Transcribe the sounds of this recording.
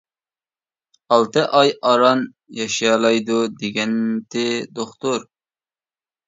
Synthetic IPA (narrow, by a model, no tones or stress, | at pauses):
ɑlˠt̪ɨʔɑjɑɾɑn | jɑʃjɑlˠɑjd̪ud̪eɡʲɛnt̪ʰɪd̪oχt̪ʊɾ